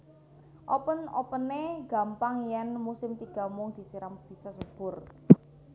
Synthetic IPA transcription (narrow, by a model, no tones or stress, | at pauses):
ʔɔpənɔ̰pəneɡ̥ä̤mpaŋjɛnmusɪmt̪iɡ̥a̤mʊŋd̪̥i̤siɾamb̥i̤sasub̥ʊ̤r